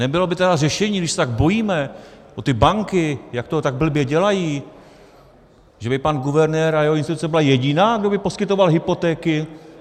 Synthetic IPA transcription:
nɛbɪlo̞bɪt̪ɛdarɛʃɛɲiːɡdɪʃsɛt̪aɡbo̞jiːmɛʔot̪ɪbaŋkɪjak̚t̪ot̪aɡ̚bl̩bjɛɟɛlajiː | ʒɛbɪpanɡuvɛɾnɛːɾajɛɦoɪnst̪ɪt̪ut͡sɛbɪlajɛɟɪnaːɡdo̞bɪpo̞skɪt̪o̞valɦɪpo̞t̪ɛːkɪ

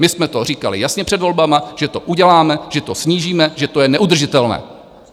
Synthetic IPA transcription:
mɪsmɛt̪o̞riːkalɪ̰jasɲɛpr̝̥ɛdvo̞lbamaʒ̥ɛt̪o̞ʔuɟɛlaːmɛʒ̥ɛt̪o̞sɲiːʒiːmɛʒɛt̪o̞jɛnɛʔud̪r̩ʒɪt̪ɛlnɛ̰ː

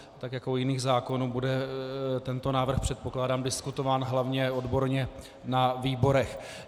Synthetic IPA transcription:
t̪akjakoojɪniːɣzaːko̞nuːbudɛt̪ɛnt̪o̞naːvr̩xpr̥ɛt̪po̞klaːdaːmdɪskut̪o̞vaːnɦlavɲɛodbo̞ɾɲɛ | naviːbo̞ɾɛx

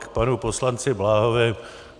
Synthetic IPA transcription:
kpanuposlant͡sɪblaːɦovɛː

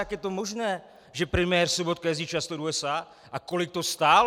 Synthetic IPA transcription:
aɡjɛt̪ɔmɔʒnɛː | ʒɛpɾɛmɪɛːɾsɔbɔt̪̚kajɛzit͡ʃast̪ɔɾuɛsaː | akɔlik̚t̪ɔst̪aːl

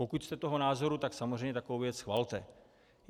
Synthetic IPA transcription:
okucst̪ɛt̪o̞ɦonaːzo̞ɾut̪aksamozr̝ejmɲɛt̪akovowvjɛt͡sxvalt̪ɛ

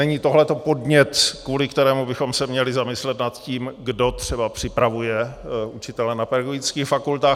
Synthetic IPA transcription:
ɛɲiːt̪o̞ɦlɛt̪o̞po̞dɲɛt̪kvuːlɪkt̪ɛɾɛːmubɪxo̞msɛmɲɛlɪzamɪslɛt̪nat̪ciːmɡdo̞t̪r̥ɛbapr̝̥ɪpɾavujɛʔut͡ʃɪt̪ɛlɛnapɛɾɡoɪt͡skiːxfakult̪aːx

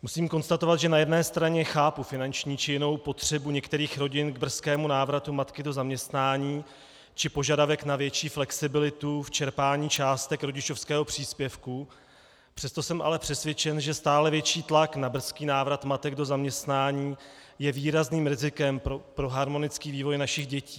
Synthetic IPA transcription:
musiːmko̞nst̪at̪ovat̪ʒɛnajɛdnɛːst̪ɾaɲɛxaːpufɪnant͡ʃɲiːt͡ʃɪjɪno̞wpo̞t̪r̝̥ɛbuɲɛkt̪ɛɾiːxɾo̞ɟɪnɡbr̩skɛːmunaːvɾat̪umat̪kɪdo̞zamɲɛst̪naːɲiː | t͡ʃɪpo̞ʒadavɛknavjɛt͡ʃiːflɛksɪbɪlɪt̪uft͡ʃɛɾpaːɲiːt͡ʃaːst̪ɛkɾo̞ɟɪt͡ʃo̞fskɛːɦo̞pr̝̥iːspjɛfku | pr̥ɛst̪o̞sɛmʔa̰lɛpr̥ɛsvjɛt͡ʃɛnʒɛst̪aːlɛvjɛt͡ʃiːt̪laknabr̩skiːnaːvɾat̪mat̪ɛɡ̚do̞zamɲɛst̪naːɲiːjɛviːɾazniːmɾɪzɪkɛmpopɾo̞ɦaɾmo̞nɪt͡skiːviːvo̞jnaʃɪɣɟɛciː

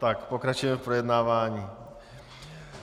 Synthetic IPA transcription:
t̪akpokɾat͡ʃujɛmɛfpɾojɛd̪naːvaːɲiː

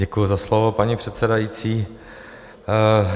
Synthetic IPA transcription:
ɛkujuzaslovopaɲipr̥ɛt̪sɛdajiːt͡siː

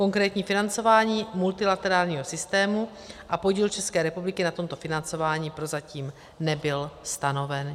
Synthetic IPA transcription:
ko̞ŋkɾɛːt̪ɲiːfɪnant͡so̞vaːɲiːmult̪ɪlat̪ɛɾaːlɲiːɦo̞sɪst̪ɛːmu | ʔapo̞ɟiːlt͡ʃɛskɛːɾɛpublɪkɪnat̪o̞mt̪o̞fɪnant͡so̞vaːɲiːpɾo̞zaciːm | nɛbɪlst̪ano̞vɛn

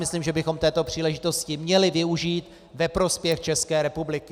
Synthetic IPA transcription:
mɪsliːmʒɛbɪxo̞mt̪ɛːt̪o̞pr̝̥iːlɛʒɪt̪o̞scɪmɲɛlɪvɪuʒiːt̪ | vɛpɾo̞spjɛxt͡ʃɛskɛːɾɛpublɪkɪ

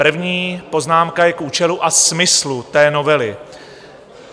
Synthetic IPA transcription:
r̩vɲiːpo̞znaːmkajɛkʔuːt͡ʃɛluʔasmɪslut̪ɛːno̞vɛlɪ

